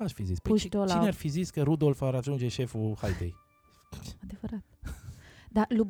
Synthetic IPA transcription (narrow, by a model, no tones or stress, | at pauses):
aʃfizispəuit̪olaineaɾfiziskəɾud̪olfaɾaʒund͡ʒeʃefuhajd̪ej | ad̪evəɾat̪̚ | d̪alub